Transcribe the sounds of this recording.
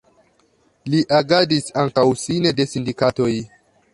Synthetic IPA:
liʔaɡadisaŋkawsinede̞sindikato̞j

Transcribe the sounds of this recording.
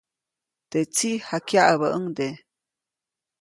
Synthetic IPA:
d̪̥et͡sihakjaʔaβəʔəŋd̪e

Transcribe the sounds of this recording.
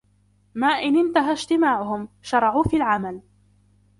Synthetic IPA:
maːʔɪnɪnt̪aɦaʒt̪ɪmaːʕʊɦʊmʃɑɾˤɑʕuːfiːlʕamal

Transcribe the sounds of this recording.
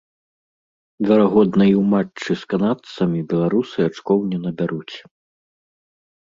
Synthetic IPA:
vʲɛɾaɣɔd̪nɐjiwmat͡ʂːɨskanat̪sɐmʲibʲɛlˠaɾusɨat͡ʂkɔwnʲɛnɐbʲaɾut͡sʲ

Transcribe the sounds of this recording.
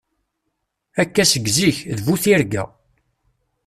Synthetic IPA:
ækːæsəɡːziçðvuθiɾɡæ̰

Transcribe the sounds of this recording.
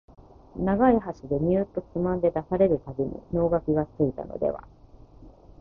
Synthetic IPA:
naɡaiɦaɕid̪e̞mʲiɯt̪ːo̞kimãnd̪e̞d̪asaɾe̞ɾɯ̟t̪aɡʲiɲḭno̞ːɡakʲiɡat͡sɨit̪a̰no̰d̪e̞̰βa̰

